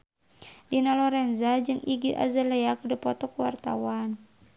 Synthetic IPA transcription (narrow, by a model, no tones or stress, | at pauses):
dinalɔɾɛnzad͡ʒɨŋʔiɡiʔa̰zalɛakədəpɔt̪ɔkuwa̰rt̪a̰wan